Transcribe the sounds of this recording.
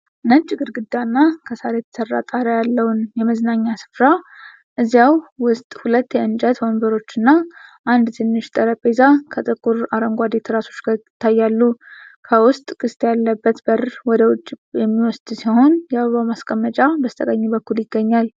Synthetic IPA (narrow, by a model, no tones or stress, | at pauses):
ɨnət͡ʃʼɪɡɨɾɡɨd̪anːakʰəsaɾjɛt̪ʰə̥sərːa̰t̪ʼaɾəjalːəwnjɛməznaɲːasɨ̥fɾa | ʔɨzjawwʊst̪ʼhulət̪ːjɛɨnd͡ʒət̪hombəɾo̞t͡ʃːɨnːaʔand̪t̪ʰɨnːɨʃt̪ʼəɾəpʼezakʰət̪ʼɨkʼːuɾaɾəŋɡʷad̪et̪ʰɨɾaso̞t͡ʃːt̪ʰːajːalːukʰəwʊst̪ʼkʼɨst̪jalːəbːət̪bəɾwɔd̪əwʊt͡ʃʼːjɛmːiwɔsd̪siho̞njɛβəβamaskʼəmːət͡ʃʼabəst̪ʰʼəkʼəɲːibəkːuljɪɡːəɲːal